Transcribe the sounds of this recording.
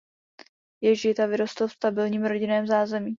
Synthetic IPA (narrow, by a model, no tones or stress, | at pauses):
jɛʒɪt̪avɪɾost̪lfst̪abɪlɲiːmɾo̞ɟɪnɛːmzaːzɛmiː